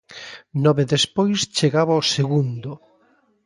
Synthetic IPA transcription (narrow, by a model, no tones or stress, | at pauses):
nɔβeðespojst͡ʃeɣaβaoseɣund̪ʊ